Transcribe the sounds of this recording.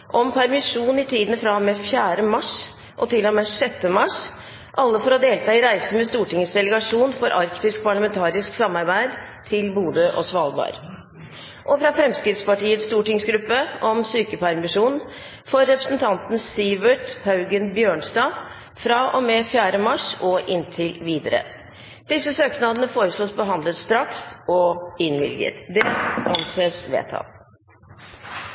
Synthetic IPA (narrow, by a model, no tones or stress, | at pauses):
ʔɔmpʰæɾmɪʂuːnɪt̪ʰiːd̪n̩fɾɑmɛfjæːɾəmɑʂ | ʔɔt̪ʰɪlːɔmɛʂɛt̪ːəmɑʂ | ʔɑlːəfɔɾɔd̪eːlt̪ʰɑːɪɾæɪsəmɛst̪uːʈɪŋəsd̪ɛləɡɑʂuːnfɔɾʔɑɾkt̪ɪsk̚pʰɑɭəmɛnt̪ʰɑːɾɪsksɑmːɑɾbæɪd̪ | t̪ʰɪlbuːd̪əʔɔ̰sʋɑːlˠbɑ̰ːɾ | ʔɔfɾɑfɾɛmskɾɪt̪spɑʈiːət̪st̪uːʈɪŋsɡɾʉpːəɔmsyːkəpʰæɾmɪʂuːnn̩ | fɔɾːɛpɾəsnt̪ʰɑnt̪n̩sɪʋəʈ̪hɑʉɡənbjøːɳsd̪ɑː | fɾɑːʔɔmɛfjæːɾəmɑʂɔʔɪnt̪ʰɪlʋiːd̪əɾə̰ | d̪̥ɪsːəsøːknɑd̪ənəfoːɾəsluːsbəɦɑnd̪lət̪st̪ɾɑksɔɪnʋɪ̰lɡə̰t̪d̪ɛʔɑnseːsʋḛːt̪hɑ̰n